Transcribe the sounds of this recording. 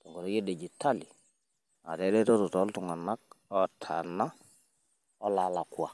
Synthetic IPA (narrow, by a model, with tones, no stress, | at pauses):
tɔ˨ŋɡɔ˨ɾɔ˨˦ɡe˦dɛ˨d͡ʒi˨tʰːa˦li˨ | a̰˨tɛ˦dɛ˦tɔ˦tɔ˨tɔ˦ltu˨ŋa˨na˦k̚ɔ˨tʰa̰˨na˦ | ɔ˦la˨la˨kwa̰˨